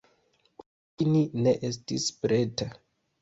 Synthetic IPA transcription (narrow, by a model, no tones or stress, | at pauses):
k | inineʔestispɾeta